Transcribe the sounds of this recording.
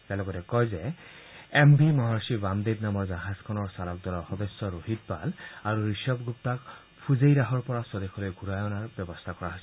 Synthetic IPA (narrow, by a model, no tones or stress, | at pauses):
ɛlɔɡɔtɛkɔjzɛ | embimɔɦaɹɔsibamd̪ednamɔɹzaɦazkʰɔnɔɹsalɔk̚d̪ɔlɔxɔdɔsːɔɹoɦit̚balaɹuɹisɔb̚ɡup̚tak | pʰuzejɾaɦɔɹpɔɹasɔdekʰɔlojɡuɹajɔnaɹbjɔbɔst̪ʰakɔɹaɦojs